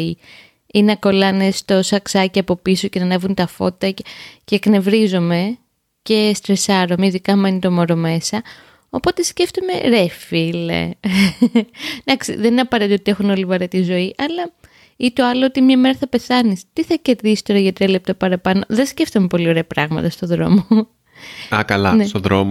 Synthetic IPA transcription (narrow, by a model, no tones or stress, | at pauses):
i | ineɐko̞lɐnest̪o̞sɐksɐciɐpo̞piso̞cenɐnevunt̪ɐfo̞̰t̪ɐce̞kne̞vɾizo̞me̞ | ce̞st̪ɾesɐɾo̞meiðikɐme̞nit̪o̞mo̞ɾome̞sɐ | o̞po̞t̪e̞sce̞ft̪ome̞̰ɾefilḛ | d̪ɐksḭðenineɐpɐɾet̪it̪oot̪ie̞xuno̞livɐɾet̪izo̞iʔɐlɐ | it̪o̞ɐloot̪imɲɐme̞ɾɐθɐpe̞θɐnist̪iθɐce̞ɾðisi̥st̪o̞ɾɐʝɐt̪ɾiɐle̞p̚t̪ɐpɐɾɐpɐno̞ðe̞sce̞ft̪ome̞po̞lioɾe̞ɐpɾɐɣmɐ̰t̪ɐst̪o̞ðɾo̞̰moo | ɐkɐlɐ̰nest̪oðɾomo